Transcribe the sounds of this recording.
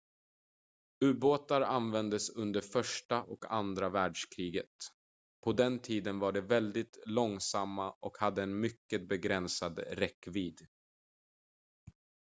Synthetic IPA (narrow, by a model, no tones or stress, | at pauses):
ʉ̟ːboːt̪aɾanvɛnd̪əsɵnd̪əɾfœʂʈaʔɔka̰nd̪ɾavæːɖʂkʰɾiːɡət̪ | pʰɔd̪ɛnt̪ʰiːd̪ənvaɖɛvɛld̪ɪt̪lɔŋsamːaʔɔkhad̪ːəɛnmʏkːət̪̚bɛɡɾɛnsad̪ɾɛkːviːd̪